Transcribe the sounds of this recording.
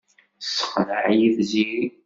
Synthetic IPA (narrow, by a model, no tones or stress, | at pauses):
sə̥χɾəʕjiðziɾi